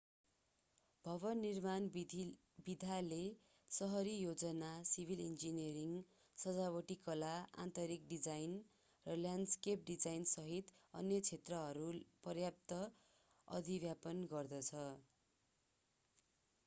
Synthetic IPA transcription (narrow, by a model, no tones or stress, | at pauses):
b̥ʱʌβʌnːirman | bid̪ʱale | sʌɦʌɾijod͡zʌnasibʱilend͡zinʌɾiŋ | sʌd͡zawʌʈikʌlaa̰nt̪ʌɾikɖid͡zajn | rʌljanɖskep̚ɖid͡zajnsʌɦit̪ʌ̰njʌt͡sʰet̪rʌɦʌɾupʌrjap̚t̪ʌ | ʌ̰d̪ʱibjapʌnɡʌrd̪ʌt͡sʰʌ